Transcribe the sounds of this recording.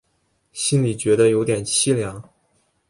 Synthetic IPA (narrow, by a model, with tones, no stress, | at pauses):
ɕi˥nli˨˩t͡ɕɥɛ˧˥d̪ə˧jo˧˥ʊt̪jɛ˨˩nt͡ɕʰi˥ljɑ˧˥ŋ